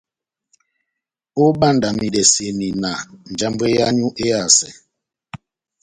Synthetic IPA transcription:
o˦ɓa˦˨nda˨mi˨dɛ˨se˨ni˨na˨n̩˨d͡ʒa˦mbe˦ja˦ɲu˦ʔe˦a˦˨sɛ˨

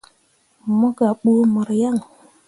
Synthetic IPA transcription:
mo˦ka˨ɓu˦mɔ˨ɾja˦˨ŋ

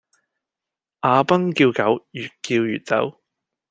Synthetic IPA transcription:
ʔaː˨˧pɐ˥ŋkiː˧wkɐ˨˥wjyː˨t̚kiː˧wjy̰ː˨t̚t͡sɐ̰˨˥w

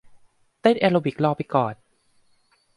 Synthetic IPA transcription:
t̪e˥˩nʔɛː˧loː˧bi˨˩k̚lɔː˧˩pːa˧jkɔː˨˩n

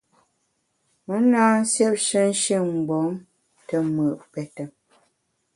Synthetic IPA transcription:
mə˦naː˦n̩˦sjɛ˦p̚ʃə˦n̩˦ʃi˦˨ŋ͡m̩˨ɡ͡bɔ˨˦m | tə˦mə˨ʔpɛ˨tə˨

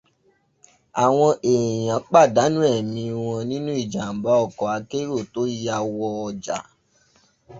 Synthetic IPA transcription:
a˨w̃ɔ̃˧ʔe˨jã˨˦k͡pa˦˨da˨˦nũ˦ɛ˦˨mĩ˧w̃ɔ̃˧nĩ˦nũ˦i˦˨d͡ʒa˨m˨ba˨˦ɔ˦˨kɔ˨a˧ke˦ɾo˦˨to˨˦ji˦a˧wɔ˧d͡ʒa̰˨

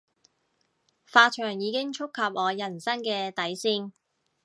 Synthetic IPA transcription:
faː˧t͡ʃʰœː˨˩ŋjiː˨˧kɪ˥ŋt͡ʃʰʊ˥kʰːɐ˨p̚ʔɔː˨˧jɐ˨˩nsɐ˥ŋkɛː˧t̪ɐ˨˥jsiː˧ŋ

